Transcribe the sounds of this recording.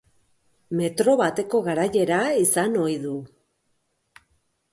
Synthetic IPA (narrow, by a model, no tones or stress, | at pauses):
me̞t̪ɾo̞βat̪e̞ko̞ɣaɾaje̞ɾaisano̞jðu